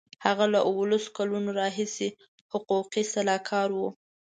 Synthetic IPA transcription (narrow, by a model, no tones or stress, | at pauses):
haɣalaʔwəlaso̥kalunoɾɑɦise | hʊquqisalɑkʰɑɾwu